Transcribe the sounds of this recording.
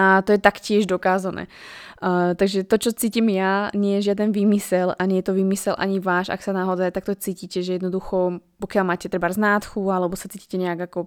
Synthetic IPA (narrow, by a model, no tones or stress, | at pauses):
at̪ɔjɛt̪akcɪɛʒd̪ɔkaːzanɛ̰ː | t̪aɡʒɛt̪ɔt͡ʃɔt͡siːcimjaɲɪɛjɛʒɪad̪ɛnʋiːmisɛlaɲɛjɛt̪ɔʋiːmisɛlʔa̰ɲiʋaːʃa̰ksanaɦɔd̪at̪akt̪ɔt͡siːciːcɛʒɛjɛd̪nɔd̪uxɔpɔkɪjalmaːcɛt̪ɾɛbaɾznaːt̪xualɛbɔsat͡siːci̥cɛɲɛjaɡakɔ